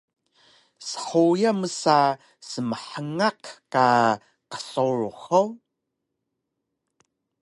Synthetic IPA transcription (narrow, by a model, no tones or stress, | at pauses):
sə̥ħujaməsa | səməħəŋaqka | qə̥soɹxow